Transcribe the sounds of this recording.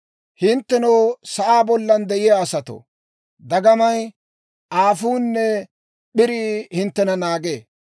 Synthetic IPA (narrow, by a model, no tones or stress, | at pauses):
hɪnt̪ːɛnɔwsɐʔaːbɔlːɐnd̪ɛʔɪjaːsɐt̪o̰ | d̪ɐɡɐmɐj | ʔaːfuːnːɛ | ɓɪɾihɪnt̪ːɛnɐnaːɡeː